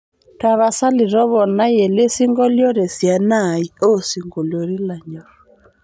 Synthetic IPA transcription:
ta˨βa˨sa˦li˨ɾɔ˦βɔ˨na˦je˨le˦si˦ŋɡɔ˦ljɔ˦ɾe˨sja˨na˦˨i˨˦o˦si˨ŋɡo˨ljɔ˨ɾi˦la˨ɲɔ˨ɾɔ

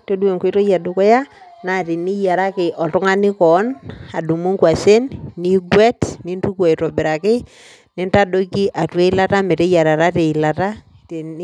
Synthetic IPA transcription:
to˦du˦e˨ŋke˨˦to˦ja˨dʊ˨kɔ˦ja˦ | na˨ti˨ni˦ja˨ɾa˦kɪ˨ʔɔ˨tʊ˦ŋa˦nɪ˦kɔ˨˦na˨du˨mu˦ŋkwa˨se˦nːi˦ɡwɛ˦tni˦ntu˦kwo˨i˨to˨bɪ˨ɾa˨kɪ˦ | nɪ˦nta˦do˦ki˦ʔa˨twe˦i˦la˦ta˦me˨te˦ja˨ɾa˨ɾa˦te˨ɪ˨la˨ta˦ | te˨n˦

